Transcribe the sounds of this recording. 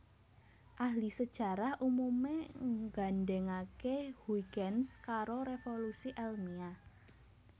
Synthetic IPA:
ʔahlisəd̥ʒ̥a̤ɾahʔumumeɡanɖɛŋakehuiɡɛnskaɾoɾefolusiʔɛlmia

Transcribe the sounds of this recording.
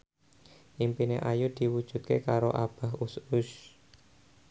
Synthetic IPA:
ʔimpineʔajʊd̪̥i̤wud̥ʒ̥ṳt̪̚kekaɾoʔab̥a̤ɦusʊʃ

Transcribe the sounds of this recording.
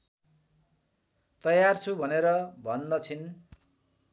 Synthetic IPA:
t̪ʌjart͡sʰubʱʌneɾʌbʱʌnd̪ʌt͡sʰin

